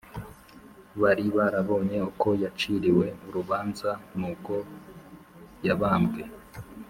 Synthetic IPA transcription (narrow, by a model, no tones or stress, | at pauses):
βaɾiβaɾaβo̞ːɲe̞uko̞jat͡ʃiɾiwe̞uɾuβaːnzanuko̞ | jaβaːmbɡe